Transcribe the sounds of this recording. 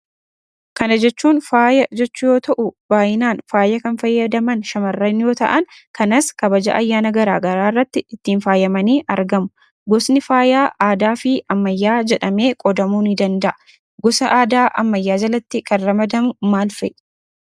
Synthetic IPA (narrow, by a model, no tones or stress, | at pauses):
kɐnɐd͡ʒɛt͡ʃːuːnfaːjɐd͡ʒɛt͡ʃːʊjo̞ːt̪ɐʔʊb̥aːjɪnaːnfaːjɐkɐnfɐjːɐd̪ɐmɐnʃɐmɐrːɐnjo̞ːt̪ɐ̰ʔɐnkɐnɐskɐbɐd͡ʒɐ̰ʔɐjːaːnɐɡɐɾaːɡɐɾaːrːɐt̪ːɪɪt̪ːiːnfaːjɐmɐniːʔɐɾɡɐmʊ | ɡɔsnɪfaːjaːʔaːd̪aːfɪɐmːɐjːaːd͡ʒɛᶑɐme̞ːkʼɔd̪ɐmuːnid̪ɐnd̪ɐʔɐ | ɡɔsɐʔaːd̪aːʔɐ̰mːɐjːaːd͡ʒɐlɐt̪ːɪkʰɐnɾɐmɐd̪ɐmʊmaːlfɛ̰ʔ